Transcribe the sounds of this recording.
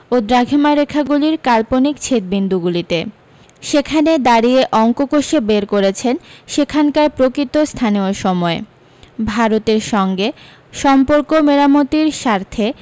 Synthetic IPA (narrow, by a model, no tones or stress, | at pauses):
od̪ɾaɡʱemaɾekʰaɡuliɾkalponik̚t͡ɕʰet̪̚bind̪uɡulit̪e | ʃekʰaned̪aɾieʔɔŋkokoʃebeɾkoɾet͡ɕʰenʃekʰankaɾpɾokɾit̪ost̪ʰanioɾʃɔmɔe | bʱaɾot̪eɾʃɔŋɡe | ʃɔmpoɾkomeɾamot̪iɾʃaɾt̪ʰe